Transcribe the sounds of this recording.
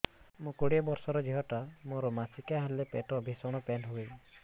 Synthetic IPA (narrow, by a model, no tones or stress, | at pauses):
mũkoɽiabɔɾsɔɾɔd͡ʒiɦɔʈamoɾɔmasikaɦalepeʈɔbʱisɔɽ̃ɔpenɦoɡeli